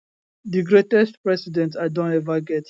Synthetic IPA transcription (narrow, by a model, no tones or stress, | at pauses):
diɡɹetɛstpɹɛsidɛ̃ntadõnɛvaɡɛt